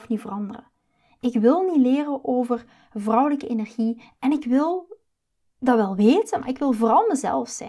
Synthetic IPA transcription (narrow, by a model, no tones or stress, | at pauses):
fnivərɑndərə̰ | ɪkʋɪlˠnileːrəʔoːvər | vrʌwləkəenɛrɣi | ɛnɪkʋɪlˠ | dɑʋɛlˠʋeːtənma̰ːɾɪkʋɪlˠvərɑndərzɛ̰lˠfsɛ̰